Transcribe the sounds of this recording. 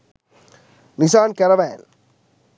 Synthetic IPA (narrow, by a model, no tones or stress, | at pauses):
nɪsaːnkɛɾɐʋɛːn